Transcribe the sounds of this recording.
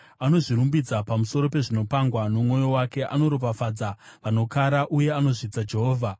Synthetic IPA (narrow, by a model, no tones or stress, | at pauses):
ano̞ʐiɾumbid͡zapamuso̞ɾo̞pe̞ʐino̞paŋɡwanomŋo̞jo̞wake̞ʔa̰no̞ɾopafad͡zaʋano̞kaɾaʔuje̞ano̞ʐid͡zad͡ʒe̞ɦoːvʱa